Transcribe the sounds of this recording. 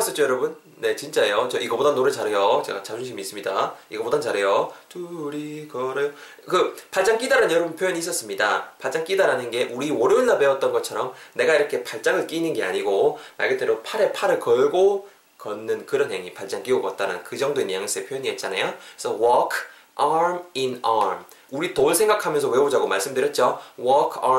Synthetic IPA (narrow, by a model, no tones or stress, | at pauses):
s͈ʌt͡ɕojʌɾʌbun | ne̞t͡ɕint͡ɕ͈aejot͡ɕʌʔiɡʌbodanoɾɯɭt͡ɕaɾɦe̞jot͡ɕe̞ɡat͡ɕad͡ʑuŋɕʰimiːs͈ɯmɲidaiɡʌbodat͡ɕaɾe̞jotuɾikʌɾejo | kɯpaɭt͡ɕ͈aŋk͈idaɾɯnnjʌɾʌbunpʰjojʌɲiːs͈ʌs͈ɯmɲidapaɭt͡ɕ͈aŋk͈idaɾanɯnɡe̞ʔuɾiwʌɾɯnːabeʌt̚t͈ʌnɡʌt͡ɕʰʌɾʌmne̞ɡaiɾʌkʰe̞paɭt͡ɕ͈aŋɯɭk͈iːnɯnɡe̞a̰ɲiɡoma̰ɭɡet͈eɾopʰaɾe̞pʰaɾɯɭkʌɭɡo | kʌnːɯnkɯɾʌnɦe̞ŋipaɭt͡ɕ͈aŋk͈iobʌt̚t͈aɾɯ̰nkɯd͡ʑʌŋdoinjaŋs͈ɯepʰjojʌɲiet̚t͡ɕ͈anajosʰʌwʌkʰ | aɾminaɾmuɾitoɭsʰe̞ŋɡakʰamjʌnsʰʌwe̞bod͡ʑaɡomaɭs͈ɯmdɯɾjʌt̚t͡ɕ͈owʌkʰa